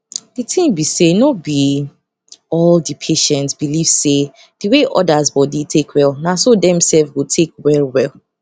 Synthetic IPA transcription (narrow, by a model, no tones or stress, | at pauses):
ditʰĩmbisenobi | ɔldipʰeʃɛ̃ntsbiliv̥se | d̥iweʔɔ̰dazbɔditʰekwɛlˠnasodɛ̃msɛlfɡotʰek̚wɛlwɛlˠ